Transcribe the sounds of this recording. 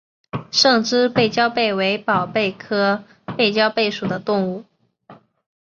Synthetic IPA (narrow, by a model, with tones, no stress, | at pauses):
ʂɤ˥˩ŋʈ͡ʂɻ̩˥pe˥˩ɪt͡ɕjɑ˥ʊpe˥˩ɪwe˧˥ɪpɑ˨˩ʊpe˥˩ɪkʰɤ˥ | pe˥˩ɪt͡ɕjɑ˥ʊpe˥˩ɪʂu˨˩d̪ə˦t̪ʊ˥˧ŋu˥˩